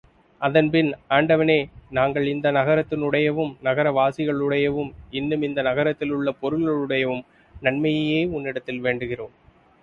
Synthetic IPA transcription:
ʔɐðɐnpɪnaːɳɖɐʋɐneːnaːŋɡɐɭɪnd̪ɐnɐɣɐɾɐt̪ːɪnʊɽɐjɐʋɯmnɐɣɐɾɐʋaːsɪɣɐɭʊɽɐjɐʋɯmɪnːɯmɪnd̪ɐnɐɣɐɾɐt̪ːɪlɯɭːɐpɔɾɯlɣɐɭɯɽɐjɐʋɯm | nɐɳmɐjɐjeːʊnːɪɽɐt̪ːɪlʋeːɳɖɯɣɪroːm

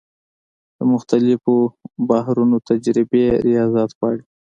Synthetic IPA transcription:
d̪̥əmʊxt̪alɪfobahɾunot̪ad͡ʒɾɪbeɾijɑzat̪pɑɽi

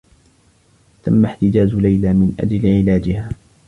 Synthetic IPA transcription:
t̪amːaħt̪ɪd͡ʒaːzʊlajlaːmɪnʔa̰d͡ʒlɪʕɪlaːd͡ʒɪhaː

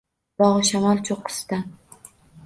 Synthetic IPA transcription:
bɒʁɨʃamalˠt͡ʃʰoqːɨ̥st̪a

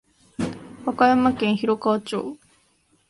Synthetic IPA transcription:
hakajamakẽɰ̃çiɾokaot͡ɕo̰ː

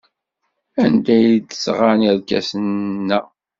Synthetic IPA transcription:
ænd̪æjd̪əsʁanæɾkæ̰sənnːæ

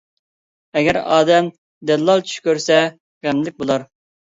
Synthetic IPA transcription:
ɛɡʲɛɾɑ̰ːd̪ɛm | d̪ɛd̪lːˠɑlˠt͡ʃʰy̥ʃkʲøɾsɛ | ʁæmlɪk̚ʲbolˠɑɾ

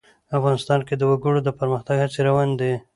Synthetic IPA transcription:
afɣɑnɪst̪ɑnked̪əwaɡʊɽod̪əpəɾməxt̪aɡhat͡seɾawɑnd̪e

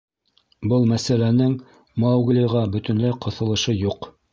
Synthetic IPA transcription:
bɤlˠmæsælænɘŋ | mɑwɡlʲiʁɑbɵ̆t̪ɵ̆nlæqŏθɤ̆lˠɤ̆ʃɤjuq

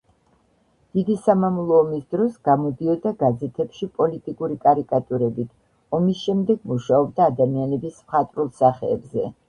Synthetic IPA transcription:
d̪̥id̪isamamlˠɔːmisd̪ɾɔsɡ̥amɔd̪iɔd̪aɡad̪zɛt̪ʰɛpʃipʼɔlit̪ʼikʼuɾikʼaɾikʼat̪ʼuɾɛbit̪ʰ | ɔmisʃɛmd̪ɛɡ̚muʃaɔb̚d̪aːd̪amianɛbismχat̪ʼɾulˠsaχɛːbzɛ

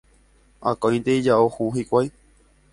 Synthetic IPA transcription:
a̰kõj̃nd̪eid͡ʒaohuɦikʷaj

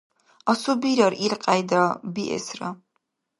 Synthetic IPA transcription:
asubiɾaɾiɾqʼajd̪abiʔɛ̰sɾa

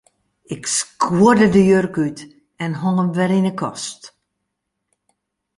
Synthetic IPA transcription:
ɪkskʰwodədəjørkyt | ɛnɦɔŋəmʋɛɾinəkʰɔst

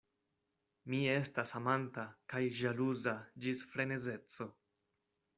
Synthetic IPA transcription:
mie̞stasamantakajʒaluzad͡ʒisfɾe̞ne̞ze̞t͡so̞

